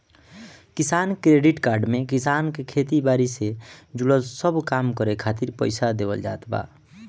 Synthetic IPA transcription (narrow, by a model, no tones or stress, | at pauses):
kisankɾeɖiʈkaːɾɖmekisankekʰet̪ibaɾised͡ʒuləlsəbkamkəɾekʰat̪iɾpə̰ɪsad̪ebə̰ld͡ʒa̰ːt̪ba̰